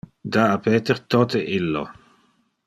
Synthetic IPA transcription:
d̪aːpeːt̪eɾt̪oːt̪eʔilːo̰

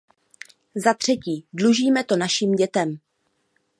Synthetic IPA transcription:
zat̪r̝̥ɛciːdluʒiːmɛt̪o̞naʃiːmɟɛt̪ɛm

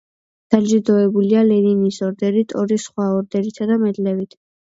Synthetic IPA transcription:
d̪̥alʒid̪ɔɛbulialɛɾinisɔɾd̪ɛɾit̪ʼɔɾisχwaɔɾd̪ɛɾit̪ʰad̪amɛd̪lɛvit̪ʰ

